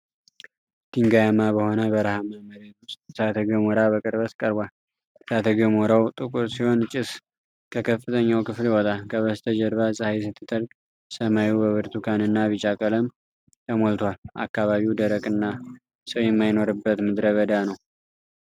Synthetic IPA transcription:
t̪ʰiŋɡajamabəho̞nəbəɾahamaməɾat̪wʊst̪̚sat̪ʰəɡəmoɾaβəkʼɨɾβət̪kʼəɾbʷal | sat̪ʰəɡəmoɾawt̪ʼɨkʼuɾsiho̞nt͡ʃʼɪs | kʰəkʰəfːɨt̪ʰʼəɲːawkɨfliwɔt̪ʼakʰəβəst̪ʰəd͡ʒɛɾβasʼɨhajs̬ɨt̪ʰːɨt̪ʰəɾk | səmajubəβɨɾt̪ʰukʰanɨnːaβit͡ʃʼakʼələm | t̪ʰəmolt̪ʰwalʔa̰kːaβaβiwd̪əɾəkʼɨnːa | səwjɛmːajno̞ɾɨbːət̪mɨd̪ɾəβəd̪anəw

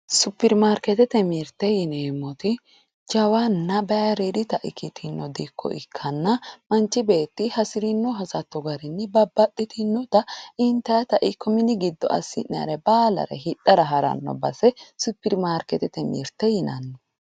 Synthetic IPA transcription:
sʊpːɪɾmaːɾkɛt̪ɛt̪ɛmiɾt̪ːɛjɪneːmːɔt̪ɪ | d͡ʒɐwɐnːɐbɛjɐɾid̪ɪt̪ɐʔɪkʰːɪt̪ʰɪnːɔd̪ikʰːɔ̰ʔɪ̰kʰːɐnːɐmɐnt͡ʃːɪbe̞ːt̪ːɪhɐsɪɾɪnːɔɦɐsɐt̪ːɔɡɐɾɪnːɪbɐbːɐtʼːɪt̪ʰɪnːɔt̪ɐɪnt̪ːɐjɐt̪ɐʔɪkʰːɔmɪnɪɡɪd̪ːɔ̰ʔɐ̰sːɪnɐ̰ɾɛbaːlɐ̰ɾɛ̰hɪᶑɐɾɐɦɐɾɐ̰nːɔ̰bɐsɛsʊpːɪɾmaːɾkɛt̪ɛt̪ɛmḭɾt̪ːɛjɪnɐnːɔ

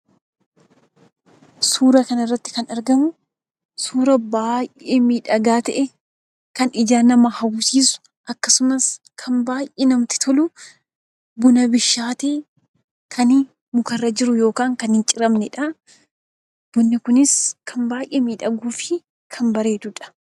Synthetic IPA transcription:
suːɾɐkɐnɐrːɐt̪ːɪ̥kɐnɐɾɡɐmʊ | suːɾɐbaːjʔeːmiːᶑɐɡaːt̪ɐʔɛ | kɐnɪd͡ʒaːnɐmɐhɐwʊsiːsʊ̥ | ʔɐkːɐsʊmɐskʰɐmbaːjʔeːnɐmt̪ɪ̥t̪ʰɔlʊ | bʊnɐbɪʃːaːt̪eː | kʰɐnɪ | mʊkɐrːɐd͡ʒɪɾʊjo̞ːkaːŋkɐnhɪnt͡ʃʼɪɾɐmnɛᶑɐ | b̥ɔnːɪkʊnɪskʰɐmbaːjʔeːmiːᶑɐɡuːfɪ | kʰɐmbɐɾeːd̪ʊᶑɐ̥

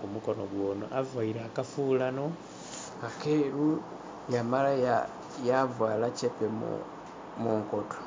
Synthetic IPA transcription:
kumukonoɡwoːno̰ʔavwaiɾaːkafuːlano̞ | akeɾu | jamalaja | javwaːlacepem̰ | muŋkoto̥

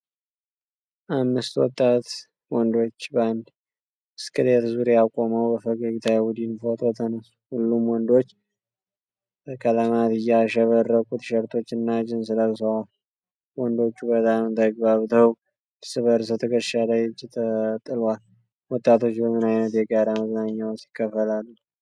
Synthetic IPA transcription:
ʔamːɨst̪wɔt̪ʼːat̪ | wɔnd̪o̞t͡ʃːband̪ | ɨskʰɨlet̪zuɾejakʼːoməwbəfəɡaɡit̪ʰajawud̪infot̪ʰo̞t̪ʰənəsu̥hulːumwɔnd̪o̞t͡ʃː | bəkʰʼələmat̪ɨjːaʃəβərːəkʼut̪ʃɛɾt̪ʰo̞t͡ʃːɨnːad͡ʒɪnsɨləzsəwa | wɔnd̪o̞t͡ʃːubət̪ʼamt̪əɡ̚baβt̪ʰəw | lsɨβəɾs̬ət̪ʰəkəʃalajɪt͡ʃʼːɪt̪ʰət̪ʼːɨlal | wɔt̪ʼːat̪ʰo̞t͡ʃːbəmɨnajnət̪jɛɡaɾaməznaɲːawsi̥kʰːəfəlalːu

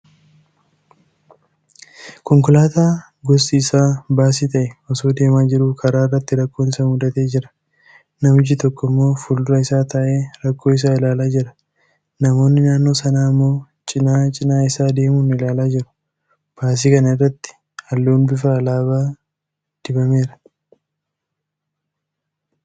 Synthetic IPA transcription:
kɔŋkʊlaːt̪aː | ɡɔsiːsaːbaːsit̪ɐʔɛɔsoːd̪e̞ːmaːd͡ʒɪɾuːkʰɐɾaːɪrːɐt̪ːɪɾɐkːo̞ːnɪsɐmʊd̪ɐt̪eːd͡ʒɪɾɐ̥ | nɐmʊd͡ʒit̪ɔkːɔɪmːo̞ːfʊld̪ʊɾɐɪsaːt̪ɐʔeːɾɐkːo̞ːɪs̬aːɪlaːlaːd͡ʒɪɾɐ | nɐmo̞ːnːɪnaːnːo̞ːsɐnaːɐmːo̞ː | t͡ʃʼɪnaːt͡ʃʼɪnaːɪsaːd̪e̞ːmuːnɪlaːlaːd͡ʒɪɾʊ̥ | b̥aːs̬iːkɐnɐɪrːɐt̪ːɪ̥ | hɐlːoːnbɪfaːlaːβaː | d̪̥ɪbɐme̞ːɾɐ

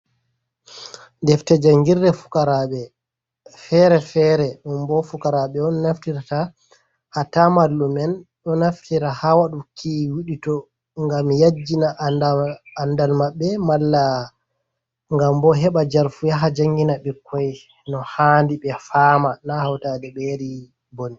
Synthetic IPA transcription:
ndɛftɛd͡ʒaŋɡiɾdɛfu̥kaɾaɓɛ | fɛɾɛfɛɾɛɗɔmbɔfukaɾaɓɛɔnnaftiɾata | hatamalːumɛnɗɔnaftiɾahawaɗukʰiwiɗitɔ | ŋɡamjad͡ʒːinaʔnaːndalmaɓːɛmalːa | ŋɡambɔɦɛɓad͡ʒaɾfujaɦad͡ʒaŋɡinaɓɛkʰːɔj | nɔhandiɓɛfaːmanahawtadɛɓeɾi | boni

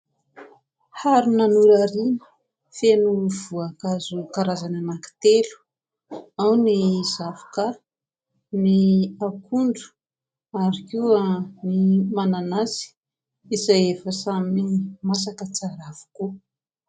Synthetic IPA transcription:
haɾunanuɾaɾinə̥ | fenuv̥uakazukaɾazananaki̥t̪elu̥ | awnizafḁka | niakʰuɳɖ͡ʐu̥ | aɾikuənimananazi̥ | izajefəsamimas̬akət͡saɾav̥u̥ku

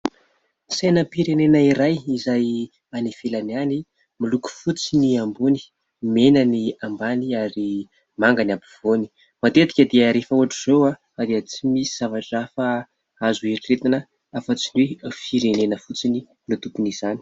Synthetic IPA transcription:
senəpiɾenenəiɾajizaj | anifelanani | miluku̥fut͡siniambuni̥ | menəniambaniaɾi | maŋɡanabiv̥oni̥ | mat̪ed̪i̥kʲəd̪eəɾefəuaʈ͡ʂiz̥owa | ad̪eət͡simisi̥z̥avaʈ͡ʂafa | azueʈ͡ʂret̪inə | afət͡sinwefiɾenenəfut͡sini | nut̪upuniz̥ani̥

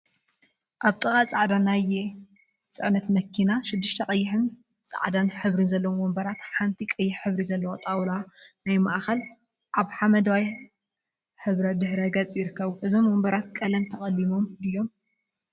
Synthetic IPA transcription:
ʔaβt̪ʼɨxʼat͡sʼaʕd̪anːaje | t͡sʼɨʕnɐt̪mɐkʰːinaʃɪd̪ːɨʃt̪ʰɐqʼɐjːɪħɨn | t͡sʼa̰ʕd̪anħɨβɾɨnzɐlːɐwomːwombɐɾat̪ħant̪ʰikʼɐjːɪħħɨβɾizɐlːɐwot̪ʼawlanajmaʔxɐl | ʔaβħamɐd̪ɐwaj | ħɨβɾɐd̪ɨħɾɐɡɐt͡sʼjɪɾɨkʰːɐβuʔɨzo̞mːombɐɾat̪kʼɐlɐmt̪ʰɐkʼɐlːimo̞md̪ɨjːo̞m

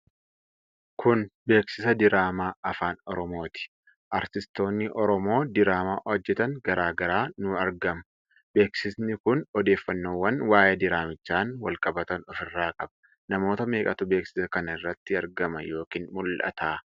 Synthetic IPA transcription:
kʊnbe̞ːksɪsɐd̪ɪɾaːmaːɐfaːnɔɾɔmo̞ːt̪ɪ̥ | ʔɐɾt̪ɪst̪o̞ːnːɪʔɔɾɔmo̞ːd̪ɪɾaːmaːʔɔd͡ʒːɛt̪ɐŋɡɐɾaːɡɐɾaːnʊɐɾɡɐmɐ | be̞ːksɪsnɪkʊnɔd̪e̞ːfːɐnːoːwːɐnwaːjed̪ɪɾaːmɪt͡ʃːaːnwɐlkʼɐbɐt̪ɐnɔfɪrːaːkʼɐbɐ̥ | nɐmo̞ːt̪ɐme̞ːkʼɐt̪ʊbe̞ːksɪ̥sɐkɐnɐɪrːɐt̪ːɪɐɾɡɐmɐjo̞ːkiːnmʊlʔɐ̰t̪aː

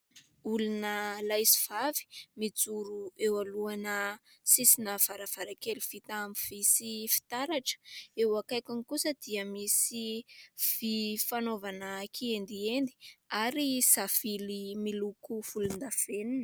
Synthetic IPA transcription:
ulunəlajsiv̥avi̥mid͡zuɾuewaluanəsisinəv̥aɾav̥aɾakeliv̥it̪aamiv̥isifi̥t̪aɾaʈ͡ʂə̥ewakajkaŋikusəd̪̥iəmisififanovanakʰiend̪iend̪i̥aɾisafilimilukuv̥ulund̪av̥eninə

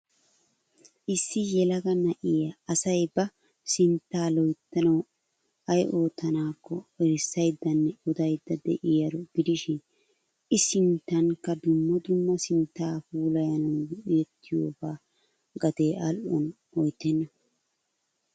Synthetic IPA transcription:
ʔɪsːɪjɛlɐɡɐnɐʔɪjɐːsɐjbɐ | sɪnt̪ːaːlɔjt̪ːɐnɐw | ɐjʔo̞ːt̪ːɐnaːkʰːɔɛɾɪsːɐjd̪ːɐnːɛʊd̪ɐjd̪ːɐd̪ɛʔɪjɐɾɔɡɪd̪ɪʃɪn | ɪsɪnt̪ːɐŋkːɐd̪ʊmːɔd̪ʊmːɐsɪnt̪ːaːfuːlɐjɐnɐwɡʊʔɪjɛt̪ːɪjo̰ːbaː | ɡɐd̪eːʔɐlʔɔn | ɔjt̪ːɛnːɐ

